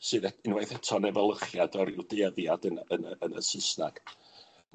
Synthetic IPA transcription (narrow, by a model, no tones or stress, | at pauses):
sɨðɛɨnwajθɛtʰɔnɛvəlˠəχjadɔɾɪwdeðjadənənəənə̰sɪsna̰ɡ̥